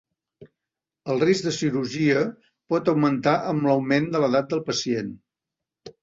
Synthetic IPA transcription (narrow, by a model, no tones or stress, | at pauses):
əlˠrizd̪əsiɾuʒiə | pɔt̪əwmənt̪aʔəmləwmend̪ələðat̪̚d̪əlˠpəsien